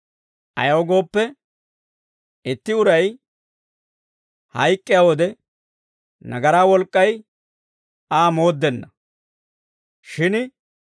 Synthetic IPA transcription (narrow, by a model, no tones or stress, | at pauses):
ʔɐ̰jɐwɔɡo̞ːpːɛ | ɪt̪ːɪʊɾɐj | hɐjkʼːɪjawɔd̪ɛ | nɐɡɐɾaːwɔlkʼːɐj | aːmoːd̪ːɛnːɐ | ʃɪn